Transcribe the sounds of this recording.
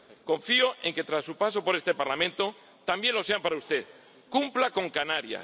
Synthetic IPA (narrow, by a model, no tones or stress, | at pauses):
ko̞ɱfioʔe̞ŋke̞t̪ɾasːupas̬o̞po̞ɾe̞st̪e̞paɾlamẽnt̪o̞ | t̪ambje̞nlo̞se̞ampaɾaust̪e̞ð | kumplako̞ŋkanaɾja̰